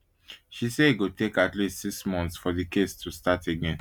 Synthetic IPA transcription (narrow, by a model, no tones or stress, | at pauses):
ʃiseiɡotekatlistsiksmɔ̃ntsfɔdikʰestʰustateɡẽn